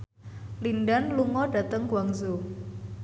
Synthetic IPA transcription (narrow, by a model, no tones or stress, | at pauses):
linɖanluŋɔɖ̥ä̤t̪əŋkwaŋzo